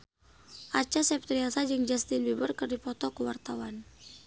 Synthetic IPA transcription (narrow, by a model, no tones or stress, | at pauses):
ʔat͡ʃasɛp̚t̪ɾiasad͡ʒɨŋd͡ʒast̪inbibərkərdipɔt̪ɔkəwart̪awan